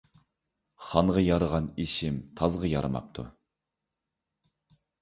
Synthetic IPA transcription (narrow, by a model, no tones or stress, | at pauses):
χɑnʁɑjɑɾəʁɑniʃɪmt̪ʰɑzʁɑjɑ̰ɾɨmɑ̰p̚t̪ʰṵ